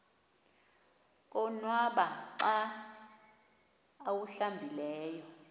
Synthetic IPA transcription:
k̬ʼɔnwaɓaǀa | wuɬambʱilɛːjɔ

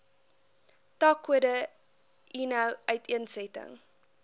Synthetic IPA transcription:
tɐkədə | ʔinɐwœɥtʰiənsɛtə̰ŋ

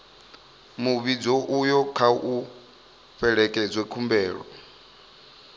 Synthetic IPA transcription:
muβid͡zɔʔujɔkʰaʔu | ɸɛɺɛkʼɛd͡zwɛkʰumbɛːɺɔ̰

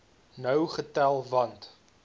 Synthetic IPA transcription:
nəwχətælˠvɐnt

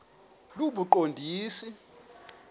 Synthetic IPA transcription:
luɓuǃondʱiːsi

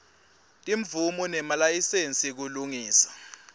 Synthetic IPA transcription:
tʼiɱvumunɛmalajisent͡sʼik̬uluŋiːsḁ

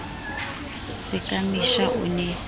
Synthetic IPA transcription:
sɪkʼamiʃaʔṵnɛ

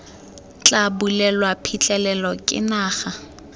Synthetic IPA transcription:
t͡ɬʼabulɛlwapʰit͡ɬʼɛlɛlɔkʼɪ̰naːχa

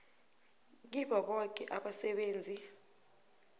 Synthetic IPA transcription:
k̬iɓaɓɔk̬ʼɛʔaɓasɛɓeːnd͡zʱi

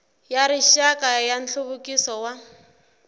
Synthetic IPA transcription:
jaɾiʃakʼajan̩ɬʊβʊkʼisɔwa

